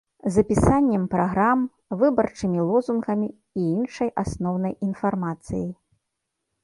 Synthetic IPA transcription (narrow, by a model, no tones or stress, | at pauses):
zɐpʲisanʲːɛmpɾaɣɾam | vɨbɐrt͡ʂɨmʲilˠɔzunɣɐmʲiː | inʂɐjʔasnɔwnɐjinfarmat̪sɨ̰ji